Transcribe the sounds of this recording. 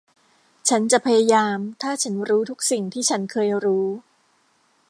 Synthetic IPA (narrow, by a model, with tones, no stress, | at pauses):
t͡ɕʰa˦˥nt͡ɕa˨˩pʰa˧ja˧jaː˧mt̪ʰaː˥˩t͡ɕʰa˦˥nɾuː˦˥t̪ʰu˦˥k̚si˨˩ŋt̪ʰiː˥˩t͡ɕʰa˦˥nkʰɤː˧jɾuː˦˥